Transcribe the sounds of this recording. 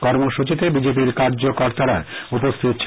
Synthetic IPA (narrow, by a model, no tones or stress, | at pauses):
kɔɾmoʃut͡ɕit̪ebid͡ʑepiɾkaɾd͡ʑokoɾt̪aɾaeupost̪ʰit̪ɕʰ